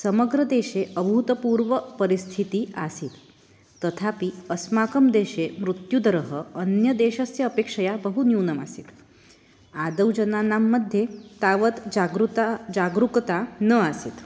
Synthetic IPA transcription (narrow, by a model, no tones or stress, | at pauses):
səməɡɾəd̪eːʃeʔəbʱut̪əpuːɾʋəpəɾist̪ʰit̪iasit̪ː | ət̪ʰapiəsmakəmd̪eːʃemɾut̪jud̪əɾəɦəənjəd̪eːʃɐsjɐːpeːkʂɐjabəɦunjuːnɐmasit̪ | ad̪əwd͡ʒənanamːəd̪ʱjet̪aʋət̪aɡɾut̪ad͡ʒaɡɾukt̪anəasit̪